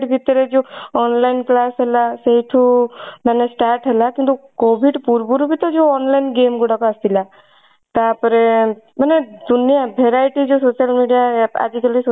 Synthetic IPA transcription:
ʈbʱit̪əɾed͡ʒoɔnlainklaːsɦəlaseɦiʈʰumanesʈaːɾʈɦəlakint̪ukobʱiɖpuɾbuɾubʱit̪ɔd͡ʒoɔnlainɡeːmɡuɽakaəst̪ila | t̪apəɾe | məned̪unijabʱeɾajʈid͡ʒosoːsəlmiɖijaa̰d͡ʒikəlis

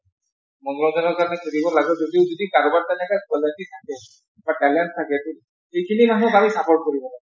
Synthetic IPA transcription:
mɔnɔzɔnɔɹkaɹɔnɛkʰudibɔlaɡɛzodiʊzodikaɹubaɹtɛnɛkakɔlasitʰakɛ | batalanstʰakɛtu | ejkʰinimaɦɔ̃bʱaɹisapɔɹ̚koɹibɔlaɡɛ

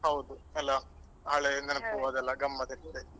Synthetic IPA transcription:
hɐwd̪uɛlːɐ | ɦaːɭenɐnɐpuʋaːd̪ɛlːɐɡɐmːɐd̪ɐʈt̪ːe

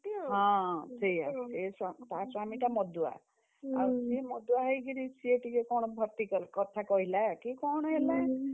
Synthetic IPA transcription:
ɦãt̪ʰeja̰sesat̪asamiʈamɔd̪ua̰ | a̰siemɔd̪uaɦejɡiɾisʰieʈikekɔɽ̃ɔbʱɔɾt̪ikɔlkɔt̪ʰakɔɦilakikɔɽ̃ɔɦelae

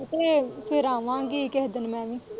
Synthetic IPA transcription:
t̪eːpʰɪɾaːʋãːɡiːkɛɦd̪ənmɛ̃ːʋĩː

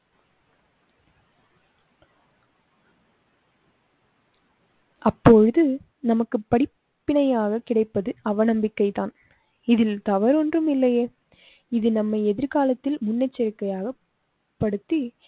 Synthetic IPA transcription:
ʔɐpːoːɻɯðɯ | nɐmɐkːɯpːɐɽɪ | pːɪnɐjaːɣɐkɪɽɐɪpːɐðɯɐʋɐnɐmbɪkːɐɪt̪aːn | ɪðɪlt̪ɐʋɐɾɔndrɯmɪlːɐjeː | ɪðɯnɐmːɐɪɛðɪɾkaːlɐt̪ːɪlmʊnːɐt͡ʃːɐɾɪkːɐjaːɣɐ | pːɐɽɯt̪ːi

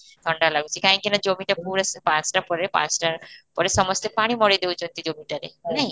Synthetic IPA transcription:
d̪ʰʱɔɳɖalaɡut͡ʃʰikaɦĩkinad͡ʑomiʈapuɾaspãt͡ʃʈapɔɾepã̰t͡ʃʈapɔɾesɔmɔst̪epaɽ̃imɔɽed̪ewd͡ʑont̪id͡ʑomiʈaɾḛnaɦĩ

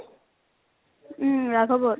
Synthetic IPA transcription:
ɹaɡʱɔbɔ

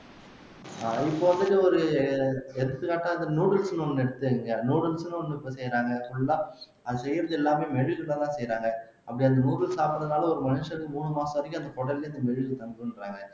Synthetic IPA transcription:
aɪpːoʋɐnd̪ɐʈːɯɔɾɯ | ɛɾɯt̪ːɯkaːʈːaːɐðɯnuːɽɐlsnɯɔnːɛɽɯt̪ːɯɛŋɡɐnuːɽɯlsɯnɯɔnːɯɪpːosɛjːɾaːŋɡɐsɔɭːɐlãː | ɐðɯsɛjːɪɾɐðɯɛlːaːmeːmɛɻʋɪkɯlːaːt̪ãːsɛjɾaːŋɡɐ | ʔɐpːɐɽiɐnd̪ɐnuːɽɐlsaːpɾɐðɐnaːlɐɔɾɯmɐneːʂɐɾɯkːɯmuːnɯmaːsɐ̃ʋɐɾɐk̬ʲːʊɐnd̪ɐkɔɽɐllːɐnd̪ɐmɛɻɪɪkɯt̪ːɐmɡɯɯnɾaːŋɡɐ

